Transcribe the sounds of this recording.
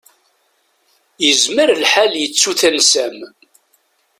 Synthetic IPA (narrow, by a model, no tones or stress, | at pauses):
jəzməɾlħaljət͡sːuθænsæm